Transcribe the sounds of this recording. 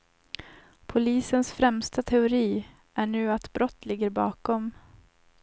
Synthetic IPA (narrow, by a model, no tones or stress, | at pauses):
pʰʊliːsənsfɾɛmst̪at̪ʰɛʊɾiː | ʔæɳʉ̟ːat̪bɾɔt̪ːlɪɡːəɾbɑ̰ːkɔm